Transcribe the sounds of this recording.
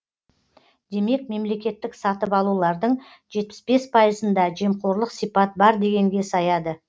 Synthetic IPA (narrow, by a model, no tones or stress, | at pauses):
d̪e̞me̞k̚me̞mle̞kʲe̞t̪ːɪksɑt̪əpɑlˠulˠɑɾd̪əɴ | ʒe̞t̪̚pɪ̥sbe̞spʰɑjəzənd̪ɑʒe̞mqʰo̞ɾlˠəqsijpɑt̪̚bɑɾd̪e̞ɡʲe̞ŋɡʲe̞sɑjɑd̪ə